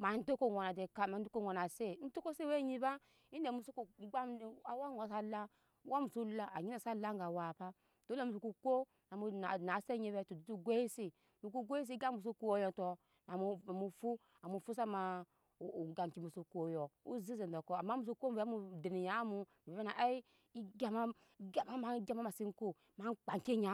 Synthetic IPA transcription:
ma˨n̩˦do˦ko˦wo˨na˨de˨ka˦ma˨n̩˦du˦ko˦wo˨na˨se˦n̩˦to˦ko˦se˦we˦ɲi˦ba˦ | i˦de˨mu˨su˦ku˨˦ɡ͡ba˦˨a˨wa˦o˨s̬a˦la˦ | wa˦mu˨su˦la˦a˨ɲi˦na˨sa˦la˦ŋ˦ɡa˨wa˨pa˦ | d̥o˦o˦˨mu˨s̬u˨ku˧ko˦ | na˨mu˧na˨na˨˦se˦ɲi˧˦be˦to˨du˨tu˦ɡʷe˦i˦si˦ | mu˨ku˦ɡʷe˦i˦s̬i˦ɡa˦mu˨s̬u˦ku˦wo˦jo˨to˧ | na˨mu˨mu˨fu˦ | a˨mu˨fu˦s̬a˦ma˨ | ɡa˨m˨kʲi˨mu˨su˧ku˦o˨˦jo˨ṵ˦zi˦ze˨n˨da˨ko˨˦a˨mːa˦mu˨s̬u˦ko˦m˦bmu˧de˨ni˨ja˨˦mu˧mi˨be˨be˦na˨ʔa˦i˦ | i˦ɡʲa˨ma˦ | ɡa˨ma˦ma˨˦ɡʲa˦ma˦ma˨si˦ŋ˦ko˦ | ma˨˦ŋ˦k͡pa˨ŋ˨ke˦ɲa˨˦

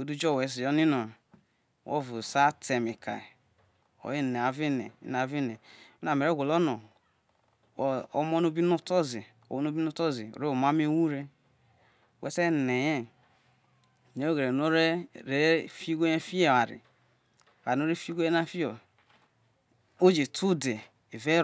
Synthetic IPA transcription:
o˨˦du˦d͡ʒo˦˨we˨˦s̬i˨jo˦ni˦no˨ | wʔo̰˦˨vu˨sa˦te˨mi˨kʰa̰˨ | o̰˨ji˦˨ne˨a˨vi˦nḛ˨ḭ˦n˨a˨˦vi˦ne˨me˦na˨me˨ɾe˦ɡʷo˨lo˦no˨ | o˨o̰˦mo˦no˦bi˦no˦to˦zi˨ | o̰˨wo˦no˦bi˦no˦to˦zi˨o̰˨ɾe˦o˨ma˦me˦wu˦ɾe˦˨ | we˦se˦˨ne˨je˦˨ | ne˨˦o˦ɡe˨ɾe˨no˦ɾe˦ɾe˦fi˦ɡʷo˦e˦fi˦e˦˨a˨ɾḭ˨ | wa˨no˦ɾe˦fɡo˦e˦na˦fi˦o˨ | o˦d͡ʒe˨tʰu˦de˨ | e˨ve˦

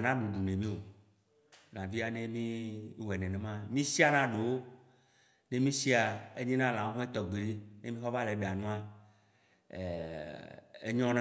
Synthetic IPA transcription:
nã˦ɖu˨ɖu˨nẽ˨mĩ˦o˨ | nã˨vi˦a˦nẽ˦mĩ˦wɛ˨nɛ̃˨nẽ˨mã˦mĩ˦si˦a˨nã˦ɖe˨wo˦ | ne˦mĩ˦si˦a˨e˦ɲĩ˦nã˦lã˨˦ɦũ˦e˦t̪ɔ˨ɡ͡bi˨li˦ne˦mĩ˦xɔ˦va˦le˨˦be˨a˨nũ˦a˦˨ | ḛ˦ɲɔ̃˦nã

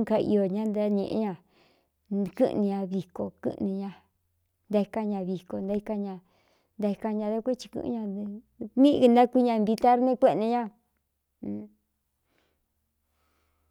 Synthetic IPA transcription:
ŋka˧ḭ˧jo˧ɲã˦nd̪a˧ɲḛ̃˧ʔḛ˧˦ɲã˧˨ | kɨ̰˦ʔnĩ˧ɲã˧βi˨ko˨kɨ̰˦ʔnĩ˧ɲã˧ | nd̪a˧i˧ka˧ɲã˧βi˨ko˨nd̪a˧i˧ka˧ɲã˧ | nd̪a˧i˧ka˧ɲã˧ða˦kʷe˦t͡ʃi̥˧kɨ̰̃˧ɲã˧ | mĩ˦˧nd̪a˦kʷi˦ɲã˧nb̪i˧t̪a˦ɾnẽ˦kʷe˦˧ʔnẽ˧ɲã˦˨

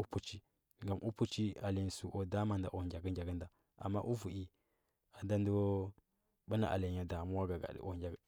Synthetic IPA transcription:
u˦pu˦t͡ʃi˦ | ŋɡa˨mʔu˦pu˦t͡ʃi˦a˨li˨n˨su˨ʔo˨da˦ma˨nda̰˨ʔo˨ɡʲa˨ɡə˦d͡ʒa˨ɡə˦nda˨ | a̰˨mːa˦ʔu˦vu˨ʔi˨ | a˨da˦ndə˦wo˦ | ɓa˦na̰˨ʔa̰˨la˨ɲa˨da˨mu˦wa˦ɡa˨ɡa̰˨d̰ʔo˨d͡ʒa˨ɡ

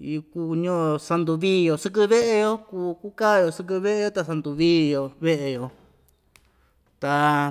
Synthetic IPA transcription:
ku˧ɲõ˦˧sa˧nd̪u˧βiː˦˧jo˧sɨ˧k̬ɨ˧βe˦ʔe˧jo˧kuː˧ku˦ka˦˨jo˧sɨ˧k̬ɨ˧βe˦ʔe˧jo˧t̪a˧sa˧nd̪u˧βiː˦jo˧βe˦ʔe˧jo˧ | t̪a˧

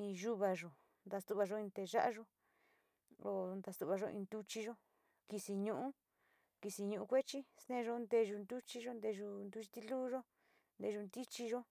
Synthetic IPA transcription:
ĩ˧ʒu˦βa˧˨ʒo˨ | nd̪a˧st̪u˧βa˧ʒo˧ĩ˧nt̪e˧ʒa̰˦ʔa˧ʒo˧ | o˧˨nd̪a˧st̪u˧βa˧ʒo˧ʔḭ̃˧nd̪u˧t͡ʃi˧ʒo˦ | ki˧si˧ɲũ˧ʔũ˦ | ki˧si˧ɲũ˧ʔu˧kʷe˦t͡ʃi˦st̪ẽ˦˧ʒo˧nd̪e˧ʒu˧nd̪u˦t͡ʃi˧ʒo˦nd̪e˧ʒu˧nd̪u˧t͡ʃi˧t̪i˧luː˦ʒo˦ | nd̪e˧ʒu˧nd̪i˦t͡ʃi˧ʒo˦

